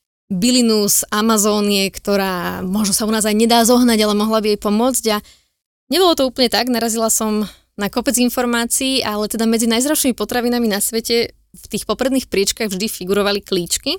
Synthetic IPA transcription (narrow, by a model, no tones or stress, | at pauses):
bilinuzamazɔːniɛkt̪ɔɾaːmʊɔʒnɔsaunaːzajɲɛd̪aːzɔɦnaɟalɛmɔɦlabiajpɔmʊɔd͡zɟa | ɲɛbɔlɔt̪ɔuːpl̩ɲɛt̪aɡnaɾazilasɔm | nakɔpɛd͡zinfɔɾmaːt͡siːʔalɛt̪ɛd̪amɛd͡zinajzɾaʊʃimipɔt̪ɾaʋinaminasʋɛcɛ | ft̪iːxpɔpɾɛd̪niːxpɾɪɛt͡ʃkaɣvʒd̪ifiɡuɾɔʋalikliːt͡ʃki